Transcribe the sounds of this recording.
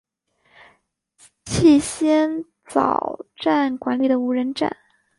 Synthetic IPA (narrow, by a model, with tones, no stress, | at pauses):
t͡ɕʰi˥˩ɕjɛ˥n | t͡sɑ̰˨˩ʊʈ͡ʂa˥˩nkwa˧˥nli˨˩d̪ə˩u˧˥ɻə˧˥nʈ͡ʂa̰˥˩n